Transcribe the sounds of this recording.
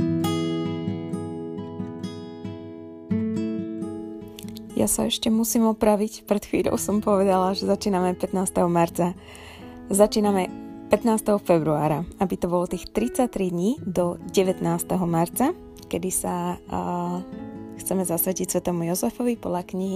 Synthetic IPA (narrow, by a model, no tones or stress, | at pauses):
ja̰sa̰ɛʃcɛmusiːmɔpɾaʋicpɾɛt̪xʋḭːʎɔ̰ʊsɔmpɔʋɛd̪alaʒɛzat͡ʃiːnamɛpɛt̪naːst̪ɛɦɔmaɾt͡sa | zat͡ʃiːnamɛpɛt̪naːst̪ɛɦɔfɛbɾua̰ːɾaabit̪ɔbɔlɔt̪iːxt̪ɾit͡sat̪ɾid̪ɲiːd̪ɔɟɛʋɛt̪naːst̪ɛɦɔmaɾt͡sa | kɛd̪isa | xt͡sɛmɛzasʋɛcicsʋɛt̪ɛmujɔzɛfɔʋipɔd̪ʎakɲiɦi